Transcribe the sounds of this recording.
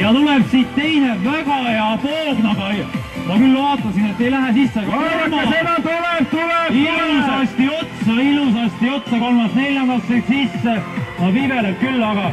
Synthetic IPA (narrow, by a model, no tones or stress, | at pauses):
jɑt̪uleb̥siːt̪ːe̞jne̞væɡ̥ɑjɑpoːɡ̥nɑɡ̥ɑj | mɑkylːvɑːt̪ːˑɑsine̞t̪ːejlæɦæsisːɑmɑemɑt̪uleb̥̚t̪uleblusɑst̪io̞t̪sɑilus̬ɑsʲt̪io̞t̪sɑko̞lmɑsne̞ljɑnd̪ɑlseksisːemɑvive̞leb̚kylːɑɡ̥ɑ